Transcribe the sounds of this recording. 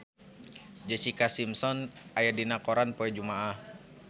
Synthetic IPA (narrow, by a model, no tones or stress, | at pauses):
d͡ʒəsikasimsɔnajadinakɔɾanpoɛd͡ʒumaah